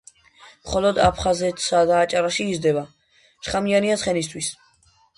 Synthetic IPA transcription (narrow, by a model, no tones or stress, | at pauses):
mχɔlɔd̪apʰχazɛt̪ʰsad̪aːt͡ʃʼaɾaʃiːzd̪ɛba | ʃχamianiat̪sʰχɛnis̬t̪ʰwis